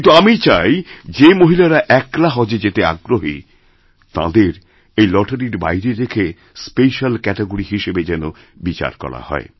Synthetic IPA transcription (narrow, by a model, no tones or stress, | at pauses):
nt̪uamit͡ɕajd͡ʑemoɦilaɾaʔɛklaɦɔd͡ʑed͡ʑet̪ea̰ɡɾoɦi | t̪ã̰d̪eɾ | ejlɔʈʰaɾiɾba̰jɾeɾekʰe | speʃalkɛʈeɡoɾiɦiʃebed͡ʑɛno | bit͡ɕa̰ɾkɔ̰ɽa̰hɔ̰e